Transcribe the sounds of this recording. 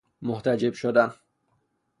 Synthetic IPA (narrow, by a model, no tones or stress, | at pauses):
moht̪ʰæd͡ʒebʃod̪æn